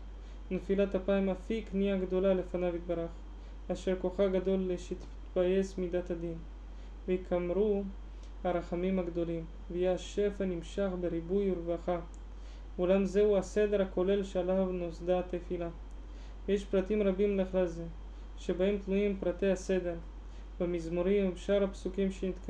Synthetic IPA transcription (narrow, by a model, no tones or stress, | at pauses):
nefilat̪hapaimafikniaɡd̪o̞lale̞fanavit̪̚baɾaχ | aʃeɾkoχaɡad̪o̞lːeʃit̪ | baje̞smid̪at̪had̪in | veikʰamɾu | haɾaχamimhaɡd̪o̞lim | vejeaʃe̞fanimʃaχbeɾibujuɾvaχa | ulamze̞uase̞d̪e̞ɾhako̞le̞lʃealavnosd̪at̪efila | vejeʃpɾat̪imʁabimleχlalze | ʃebaemt̪nuimpɾat̪e̞jhase̞d̪e̞ɾ | vamizmoɾimʃaɾapsukimʃenit̪k